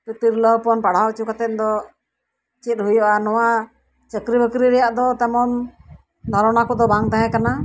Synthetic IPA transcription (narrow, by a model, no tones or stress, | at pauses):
pit̪iɾləpɔnpaɽ̤awt͡ʃukat̪ɛt̪̚d̪ɔ | t͡ʃit̪̚ɦujɔʔanɔwa | t͡ʃəkɾibəkɾiɾɛjaʔd̪ɔt̪ɛmɔn | d̪ʱɔɾɔnakɔd̪ɔbaŋt̪aɦɛ̃kana